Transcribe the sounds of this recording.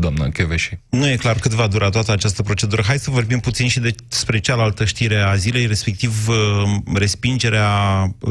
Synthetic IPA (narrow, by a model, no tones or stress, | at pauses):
d̪oamnəkʲeveʃinuje̞klarkɨt̪vad̪uɾʔat̪oat̪əat͡ʃast̪əpɾo̞t͡ʃe̞d̪uɾəɦaj̪səvo̞rbimput̪sinʃid̪e̞spɾe̞t͡ʃalalt̪əʃt̪iɾe̞azile̞jɾe̞spe̞k̚t̪iv | re̞spind͡ʒe̞ɾea